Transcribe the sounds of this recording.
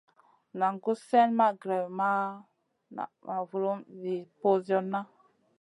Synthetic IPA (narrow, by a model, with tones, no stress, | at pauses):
na˨ŋɡu˦se˦nma˦ɡɾa˨ma˦ | na̰˨ma˨vu˨ɾu˦mvi˨po˦zo˦nːa˦